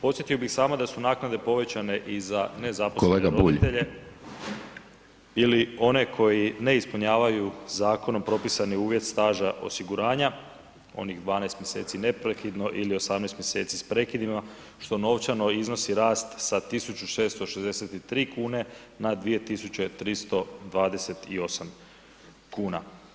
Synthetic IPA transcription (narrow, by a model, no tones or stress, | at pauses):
pot̪sje̞t̪ijobixsaːmod̪asunaːknad̪e̞po̞ʋe̞t͡ɕane̞ʔizane̞zapooleːɡaɾouiʎt̪eʎe | ilio̞ne̞kʰo̞jine̞ispuɲaːʋajuzaːko̞no̞mpɾo̞pisaniuːʋje̞t̪st̪aːʒaʔo̞̰siɡuɾaːɲa | o̞̰niɣd̪ʋaːnest̪mje̞se̞ːt̪sine̞pɾekid̪no̞ʔilio̞samnest̪mjese̞ːt̪sispɾe̞kid̪ima | ʃt̪o̞no̞ʋt͡ɕano̞izno̞siɾaːst̪sat̪isut͡ɕt͡ʃuʃe̞ːst̪o̞ʃezd̪eset̪it̪ɾiːkuːne̞ | nad̪ʋije̞t̪isut͡ɕe̞t̪ɾist̪o̞d̪ʋaːd̪eset̪io̞sam | kuːna